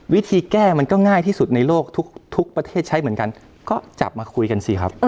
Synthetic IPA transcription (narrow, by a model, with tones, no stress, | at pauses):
wi˦˥t̪ʰiː˧kɛː˥˩ma˧nkɔː˥˩ŋaː˥˩jt̪ʰiː˥˩su˨˩t̪̚na˧jloː˥˩k̚t̪ʰu˦˥k̚t̪ʰu˦˥k̚pɾa˧t̪ʰeː˥˩t̪̚t͡ɕʰa˦˥jmɯ˩˦nŋka˧n | kɔː˥˩t͡ɕa̰˨˩p̚maː˧kʰu˧jka˧nsi˨˩kʰɾa˦˥p̚